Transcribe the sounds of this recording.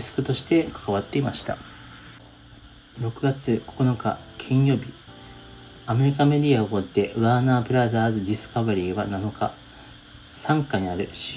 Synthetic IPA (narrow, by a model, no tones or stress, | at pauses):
sɨ̥kɯ̟t̪o̞ɕi̥t̪e̞kḁkaβat̪ːe̞imaɕi̥t̪a̰ | ɾo̞kɯ̟ɡat͡sɨko̞̥ko̞no̞ka̰kʲʰĩɰ̃jo̞ːbʲi | ame̞ɾʲikame̞d̪ʲiaɡod̪e̞ʔɯ̟anaːpɯ̟ɾazaːzɨd̪ʲisɨ̥kaβaɾʲiːβanano̞ka | sãŋkaɲ̟iaɾɯ̟ɕ